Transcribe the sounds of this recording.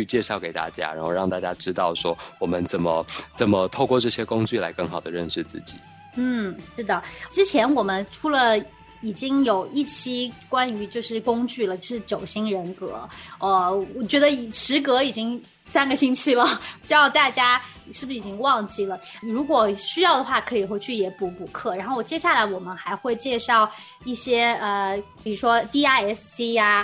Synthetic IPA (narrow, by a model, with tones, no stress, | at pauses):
y˥˧t͡ɕjɛ˥˧ʂɑ˥˩ʊke˨˩ɪt̪a̰˥˧t͡ɕja̰˦˥ɻa̰˧˥xo˥˧ɻɑ˥˧ŋt̪a˥˧t͡ɕja˥ʈ͡ʂɻ̩˥t̪ɑ˥˩ʊʂwɔ˥wɔ˨˩mə˦nt͡sə˨˩nmə˦t͡sə˨˩nmə˦t̪ʰo˥˧ʊkwɔ˥˧ʈ͡ʂɤ˥˧˩ɕjɛ˥kʊ˥ŋt͡ɕy˥˩la̰˧˦ɪkə˥˩ŋxɑ˨˩ʊd̪ə˦ɻə˥˧nʂɻ̩˥˧t͡sɹ̩˥˩t͡ɕi̥̰˨˩˦ | n̩˥˩ʂɻ̩˥˧d̪ə˨˩ʈ͡ʂɻ̩˥t͡ɕʰjɛ˧˥nwɔ˨˩mə˦nʈ͡ʂʰu˧˥lə˧ | i˨˩t͡ɕi˥ŋjo˨˩ʊʔi˥˩t͡ɕʰi˥kwa˥ny˧˥t͡ɕjo˥˧ʊʂɻ̩˥˩kʊ˥ŋt͡ɕy˥˩lə˩t͡ɕʊʂɻ̩˥˩t͡ɕjo˨˩ʊɕi˥ŋɻə˧˥nkɤ̰˧˥ə˧wɔ˨˩t͡ɕɥɛ˧˥d̪ə˧˨˩ʂɻ̩˧˥kɤ˧˥i˨˩t͡ɕi˥ŋ | sa˥nɡə˨˩ɕi˥nt͡ɕʰi˥˩lə˩pʈ͡ʂɻ̩˥jɑ˥˧ʊt̪a˥˩t͡ɕja˥˨ | ʂɻ̩˥˩bu˩ʂ̩˥i˨˩t͡ɕi˥ŋwɑ˥˧ŋt͡ɕi˥˩lə˩ɻu˧˥kwɔ˨˩ɕy˥jɑ˥˩ʊd̪ə˩xwa˥˩kʰɤ˧˥i˨˩xwe˧˥ɪt͡ɕʰy˥˩jɛ˧˥pu˧˥pu˨˩kʰɤ˥˩ɻa˧˥nxo˥˩t͡ɕjɛ˥ɕja˥˩la˧˥ɪwɔ˨˩mə˦nxa˧˥ɪxwe˥˧ɪt͡ɕjɛ˥˧ʂɑ˥˧ʊ | i˥˩ɕjɛ˥ə˧˩pi˨˩ɻu˧˥ʂwɔ˥t̪i˥˧a˥˩ɛ˥ssi˥a˧